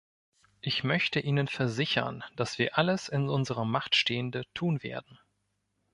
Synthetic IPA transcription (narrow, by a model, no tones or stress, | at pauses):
ʔɪçmœçtəʔiːnənfɛɐzɪçɐ̰nd̥asv̥iːɐʔaləsɪnʔʊnzəʁɐmaχtʃteːəndətʰuːnvḛːɐdn̩